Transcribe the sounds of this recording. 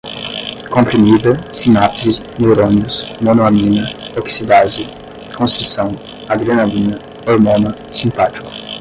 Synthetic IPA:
kõmpɾimid̪ɐsinapzi | newɾõniʊsmonoamĩnɐoksid̪azɪ | kõst̪ɾisɐ̃w̃ | aɡɾenamĩnɐ | oɾmõnɐ | sĩmpat͡ʃi̥kʊ̥

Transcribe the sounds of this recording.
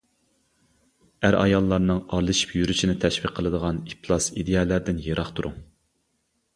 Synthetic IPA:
æɾʔɑ̰jɑlˠːɑɾnɨŋɑɾlˠɨʃi̥pʰjyɾyʃinɪt̪ʰɛʃwiqʰːəlˠɨd̪əʁɑnipʰlˠɑsid̪ejɛlˠæɾd̪ɪnjeɾɑχt̪ʰuɾṵŋ

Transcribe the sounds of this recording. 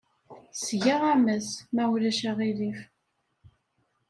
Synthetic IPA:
sʝaʁæmæsmæwlæʃæʁilif

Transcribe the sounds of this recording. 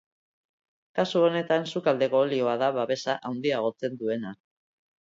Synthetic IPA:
kasuo̞ne̞t̪ansukald̪e̞ko̞ːlio̞aðaβaβe̞saʔawnd̪iaɣ̞o̞t͡se̞nd̪ue̞na

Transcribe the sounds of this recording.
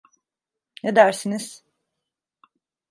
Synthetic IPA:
ned̪æɾsiniz̥

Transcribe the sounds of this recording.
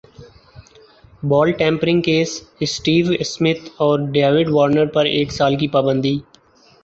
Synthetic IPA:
bɔːlʈɛ̃ːmpɾɪ̃ŋɡkeːsɪsʈiːʋɪsmɪt̪ʰɔːɾɖeːʋɪɖʋɔːɾnəɾpɐɾeːksaːlkipaːbə̃nd̪iː

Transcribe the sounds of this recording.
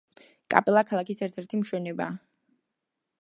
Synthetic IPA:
kʼa̰pʼɛlˠakʰalˠakisɛɾt̪ʰɛɾt̪ʰimʃwɛnɛba̰ː

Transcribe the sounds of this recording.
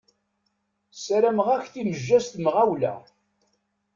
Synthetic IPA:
saɾæmʁæçθiməʒːæst̪mʁawlæ̰

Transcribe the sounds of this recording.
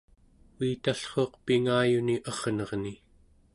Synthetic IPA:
iːt̪aɬχoːqpiŋaːjuniʔʌʁ̥nʌʁni

